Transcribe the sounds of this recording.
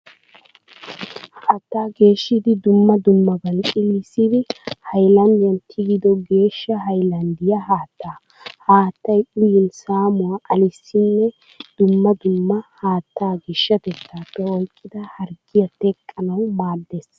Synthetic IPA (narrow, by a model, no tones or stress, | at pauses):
haːt̪ːaːɡe̞ːʃːɪd̪ɪd̪ʊmːɐd̪ʊmːɐbɐnt͡ʃʼɪlisɪd̪ɪhɐjlɐnd̪ɪjɐnt̪ʰɪɡɪd̪ɔɡe̞ːʃːɐɦɐjlɐnd̪ɪjɐhaːt̪ːaː | haːt̪ːɐjʊjɪnsaːmʊwaːʔɐlɪsːɪnːɛ | d̪̥ʊmːɐd̪ʊmːɐhaːt̪ːaːɡɪʃːɐt̪ɛt̪ːaːpːɛɔjkʼːɪd̪ɐhɐɾɡɪjɐt̪ɛkʼːɐnɐwmaːd̪ːes